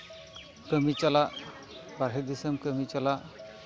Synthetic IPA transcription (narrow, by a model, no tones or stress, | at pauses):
kəmit͡ʃalaʔ | baɾɦed̪isəmkəmit͡ʃalaʔ